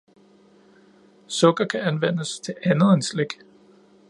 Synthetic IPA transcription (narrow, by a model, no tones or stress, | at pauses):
sɔ̽ɡ̥ɐkʰæænʋen̰əst͡sʰe̝lænð̩ˠensleɡ̥